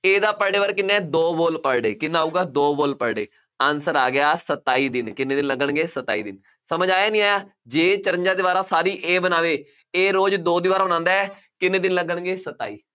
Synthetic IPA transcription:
eːd̪aːpəɽɖeːʋəɾkɪnːɛ̃ːd̪oːboːlpəɽɖeːkɪnːaːuːɡaːd̪oːboːlpəɽɖḛː | əːnsəɾa̰ːɡɪjaːsət̪ːaːiːd̪ɪnkɪneːd̪ɪnləɡəɳɡeːsət̪ːa̰ːḭːd̪ɪ̰n | səməd͡ʒaːjaːnĩaː | d͡ʒeːt͡ʃəɾə̃ɲd͡ʒaːd̪eːbaːɾaːsaːɾiːʔeːbənaːʋeː | eːɾoːd͡ʒd̪oːd̪iːʋaːɾaːbənãːnd̪aːɛ | kɪnẽːd̪ɪnləɡəɳ̃ɡeːsət̪a̰ːḭː

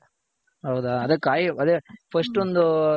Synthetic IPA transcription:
ɦɐwd̪aɐd̪ɐkaːjiɐd̪eːpʰɐsʈond̪u

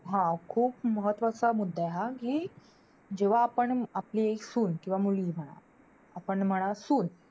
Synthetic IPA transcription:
ɦãkʰuːpməɦət̪ʋasamud̪ʱːaɦakiː | d͡ʑeʋ̤aːpəɳaplieksuːnkĩw̃ʋamuliːm̤əɽ̃a̰ | apəɳm̤əɽ̃asuːn

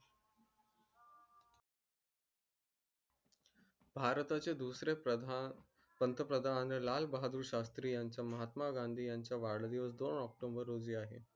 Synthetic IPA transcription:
bʱaɾt̪at͡sed̪usɾe | pənt̪əpɾəd̪ʱanəlalbəɦad̪uːɾɕast̪ɾiːjaɲt͡ɕjaməɦat̪maɡand̪ʱiːjaɲt͡ɕjaʋaɽd̪iʋəsd̪onɔk̚ʈombəɾːod͡ziːaɦḛ

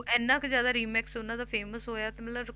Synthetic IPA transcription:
ɛːnːãːkzjaːd̪aːɾiːmɛːksʊnãːd̪aːpʰeːməsɦoːjaːt̪eːmɛ̃aɾ

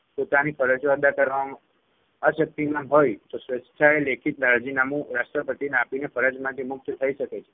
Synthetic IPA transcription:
pot̪anifʰəɾət͡ʃoəd̪akəɾʋam | aʃək̚t̪imãmɦojt̪osʋest͡ʃʰaelekʰit̪laɾad͡ʒinamũɾasʈɾəpəʈ̪ineapinefʰəɾad͡ʒmãt̪ʰimʊk̚t̪t̪ʰəiʃəket͡ʃʰe̥

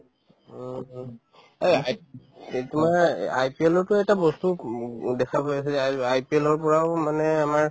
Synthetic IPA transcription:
ejaj | tʊmaɹa̰jpiɛlɔɹtʊɛtabɔstudɛkʰapojasɛajpielɔɹpɔɹawmanɛamaɹ

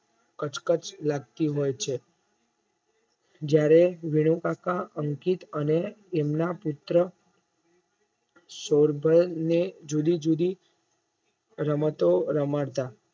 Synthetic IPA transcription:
kət͡ʃkət͡ʃlaɡ̚t̪iɦojt͡ʃʰe | d͡ʒjaɾeʋiɽ̃ũkakaʔəŋkit̪əneːmnaput̪ɾə | soɾbʱəlned͡ʒud̪id͡ʒud̪i | ɾəmət̪oɾəmaɽt̪a

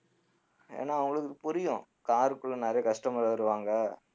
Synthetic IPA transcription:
ḛːnːaːʋɐŋɡɐɭɯkːɯpʊɾɪjʊ̃ | kaːɾɯkːɯɭːɐ̃nɐɾɐjɐkɐʂʈɐmɐaɪɾɯʋaːŋɡɐ

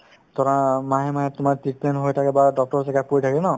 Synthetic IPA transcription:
tɔɹamaɦɛmaɦɛtʊmaɹtit̚pɛnɦojtʰakɛbadɔk̚tɔɹsɛkapoɹitʰakɛnɔ

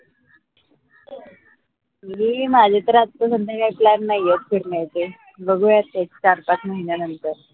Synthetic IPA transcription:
ɦiːmad͡ʑʱet̪əɾat̪ːəsənd̪əɡajplanːajet̪kʰiɾɳajt͡se | bəɡʱujat̪et͡st͡ɕaɾpat̪məɦinjanənt̪əɾ

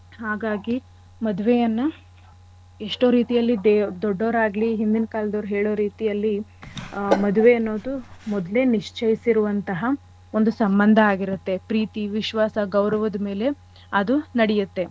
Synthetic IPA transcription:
haːɡaːɡi | mɐd̪uʋejɐnːɐ | eʂʈoːɾiːt̪ijɐlːid̪d̪ɔɖːoːɾaːɡliɦind̪inɐkaːlɐd̪ɐʋɾuɦeːɭoːɾiːt̪ijɐlːi | mɐd̪uʋeɐnːo̞ːd̪umɔd̪le̞niʂt͡ʃʰɐjisiɾuʋɐnt̪ɐɦɐ | o̞nd̪usɐmbɐnd̪ʱɐaːɡiɾut̪ːe̞pɾiːt̪iʋiʃʋaːsɐɡɐwɾɐʋɐd̪ɐme̞ːle̞ | ɐd̪unɐɽɛjut̪ːe̞

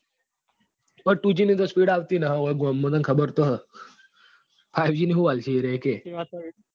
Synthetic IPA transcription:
pəɽʈud͡ʑiniːd͡z̪əspiːɽaʋt̪inaɦʋəɡɔmːəd̪ənkʰəbəɾt̪ɔɦ | fajʋd͡ʑiniɦuʋalɕiɾeeke

